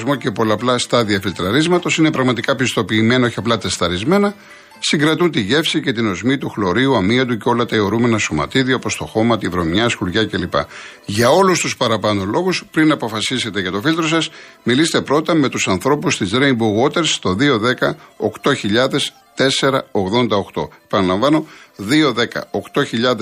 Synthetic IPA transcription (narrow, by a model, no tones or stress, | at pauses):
zmoce̞po̞lɐplɐst̪ɐðiɐfilt̪ɾɐɾizmɐt̪o̞sine̞pɾɐɣmɐt̪ikɐpist̪o̞piːme̞nɐoçiɐplɐt̪est̪ɐɾizme̞nɐ | siŋɡɾɐt̪unt̪iʝe̞fsice̞t̪ino̞zmit̪uxlo̞ɾiuɐmiɐt̪̬uceo̞lɐt̪ɐio̞ɾume̞nɐsomɐ̰t̪iðioɐpo̞st̪o̞xo̞mɐt̪ivɾo̞mɲɐsxuɾʝɐce̞lipɐ̰ | ʝɐo̞lust̪uspɐɾɐpɐno̞lo̞ɣuspɾinɐpo̞fɐsise̞t̪e̞ʝɐt̪o̞filt̪ɾo̞sɐsmilist̪e̞pɾo̞t̪ɐme̞t̪usɐnθɾo̞pust̪izɾeimbuɣo̞t̪e̞ɾst̪o̞ðio̞ðe̞kɐo̞kt̪o̞çiʎɐðe̞s | t̪e̞se̞ɾɐo̞ɣðo̞nd̪ɐo̞xt̪o̞̰e̞pɐnɐlɐɱvɐno̞ðio̞ðe̞kɐ̰o̞kt̪o̞çiʎɐð